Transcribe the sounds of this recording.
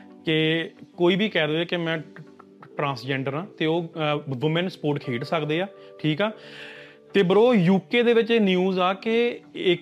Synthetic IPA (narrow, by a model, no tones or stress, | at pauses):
kɪkoːiːbʱiːkɛːd̪oːeːkɪmɛ̃ː | ʈɾãːsd͡ʒɛ̃ːɳɖəɾãːt̪eːoːʋɪmənspoːɾʈkʰeːʈsəkd̪eːaː | ʈʰiːkɛː | t̪eːbəɾoːjuːkeːd̪eːʋɪt͡ʃenjuːzaːkeɪ